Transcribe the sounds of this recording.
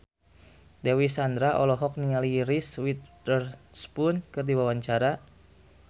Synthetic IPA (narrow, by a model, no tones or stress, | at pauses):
dɛwisand̪ɾaʔɔlɔɦɔk̚niŋaliɾiswit̪̚ərspunkɨrdiwawaɲt͡ʃaɾa